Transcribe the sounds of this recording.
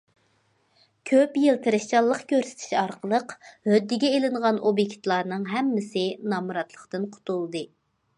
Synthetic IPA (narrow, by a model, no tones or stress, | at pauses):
kʲʰøpjelt̪ʰɨɾɨʃt͡ʃɑlˠːəqkʲʰøɾsɪ̥t̪ʰɪ̥ʃɑɾqʰəlˠəqhød̪ːɪɡʲɛelɪŋʁɑnobjekʲt̪lˠɑɾnɨŋɦɛmːɪsɪnɑmuɾɑt̪lˠəqt̪ɨnqʰʊ̥t̪ʰulˠd̪ɨ